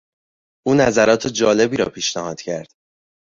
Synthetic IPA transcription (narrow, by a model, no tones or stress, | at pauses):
ʔuːnæzæɾɒːt̪ʰed͡ʒɒːle̞biːɾɒ̰ːpʰiːʃnæhɒːd̪̥cʰæɾd̪̥